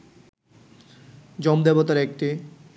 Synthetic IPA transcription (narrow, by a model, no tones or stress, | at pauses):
d͡ʑɔmd̪ebot̪aɾek̚ʈi